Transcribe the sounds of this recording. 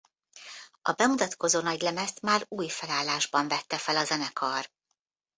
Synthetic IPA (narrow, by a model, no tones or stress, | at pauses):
ɒ̰bɛmut̪ɒt̪ko̞zoːnɒɟlɛmɛst̪maːɾuːjfɛlaːlːaːʒbɒɱvɛt̪ːɛfɛlɒzɛnɛkʰɒr